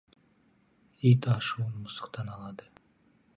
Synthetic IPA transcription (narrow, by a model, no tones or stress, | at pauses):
ijt̪ɑʃuənmʊsə̥qt̪ɑnɑlˠɑd̪ə